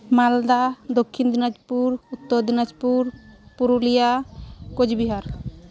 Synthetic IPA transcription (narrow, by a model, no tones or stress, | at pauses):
mald̪ad̪okʰːind̪unad͡ʒpuɾut̪ːɔɾd̪inad͡ʒpuɾpuɾulijakod͡ʒbiɦaɾ